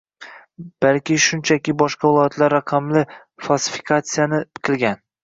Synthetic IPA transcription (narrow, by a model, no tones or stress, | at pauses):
b̥alkʲɪʃʊnt͡ʃʰakʲɪbɒʃqɑvɪlˠɒjat̪ʰlaɾːaqʰɑmlɪ | falˠsɪ̥fɪ̥kʰat̪sɨjanɪqʰɨlˠɡʲan